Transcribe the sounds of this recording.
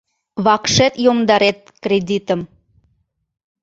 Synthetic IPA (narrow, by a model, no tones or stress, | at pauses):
βɑkʃet̪jomd̪ɑɾet̪̚krʲed̪it̪əm